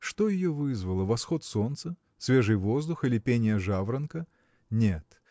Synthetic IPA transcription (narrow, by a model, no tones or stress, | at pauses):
ʂt̪ojɪjovɨzvəlˠəvɐsxot̪sont̪sə | svʲeʐɨjvozd̪ʊxɨlʲɪpʲenʲɪjəʐavɾənkə | nʲet̪